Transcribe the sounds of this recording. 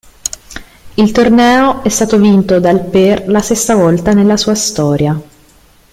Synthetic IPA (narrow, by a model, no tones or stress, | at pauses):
ilt̪ornɛːoɛst̪aːt̪ovint̪od̪alperlasesːavɔlt̪anelːasuːast̪ɔːɾja